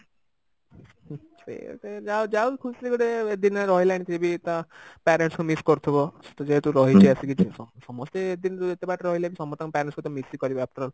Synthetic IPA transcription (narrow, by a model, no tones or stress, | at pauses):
sḛt̪ed͡ʒad͡ʒawkʰusliɡuɽed̪ineɾɔɦilanit̪ʰebit̪apeɾeɳʈskumiskɔɾt̪ʰibɔt̪d͡ʒeɦet̪uɾɔɦit͡ʃʰeasikid͡ʒsɔsɔmɔst̪eed̪int̪uet̪ebaʈeɾɔɦilaebisɔmɔɾt̪aŋpɛɾeɳʈskut̪ɔmisikɔɾibɔap̚ʈɾɔl